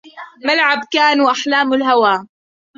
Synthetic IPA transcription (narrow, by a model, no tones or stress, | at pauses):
malʕabkaːnuːʔaħlaːmalɦawaː